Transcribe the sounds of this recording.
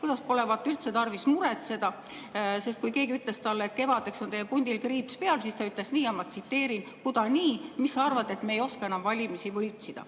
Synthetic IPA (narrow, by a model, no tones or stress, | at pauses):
kujd̪ɑspo̞levɑt̪ːˑylt̪se̞t̪ɑrvismuɾet̪se̞d̪̥ɑ | se̞st̪̚kujke̞ːɡiyt̪ˑle̞st̪ɑlːeːt̪ke̞vɑd̪e̞kso̞nt̪e̞jepunʲd̪̥ilkriːpspe̞ɑlsist̪ɑyt̪le̞sniːɑmɑt̪sit̪ːe̞ːɾinkud̪̥ɑniːmisːɑrvɑd̪e̞t̪meejo̞skɑe̞nɑmvɑlʲimisivɤlʲt̪sid̪̥ɑ̰